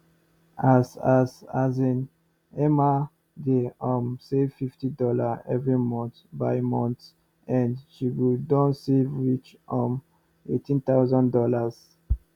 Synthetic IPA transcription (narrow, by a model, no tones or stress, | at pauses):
azazazĩn | ɛma | deɔ̃msevfiftidɔlaɛvɹimɔ̃nt̪baɪmɔ̃nt | ɛ̃nʃiɡudɔ̃nsevɹit͡ʃ | ɔ̃m | ḛtĩnt̪awzɔ̃ndɔlaz